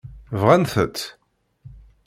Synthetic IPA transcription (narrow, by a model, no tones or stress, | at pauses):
vʁænθə̰t̪